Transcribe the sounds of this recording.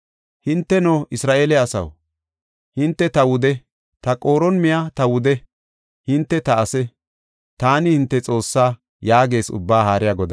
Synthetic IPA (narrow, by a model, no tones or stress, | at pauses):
hɪnt̪ːɛnoːʔɪsɾaːʔeːlɛɐsɐ̰w | hɪnt̪ːɛt̪ɐwʊd̪ɛ | t̪ɐkʼo̞ːɾɔnmɪjat̪ɐwʊd̪ɛ | hɪnt̪ːɛt̪ɐɐsɛ | t̪aːnɪhɪnt̪ːɛt͡sʼo̞ːsːaː | jaːɡe̞ːsʊ̰bːaːhaːɾɪjaɡɔd̪ɐ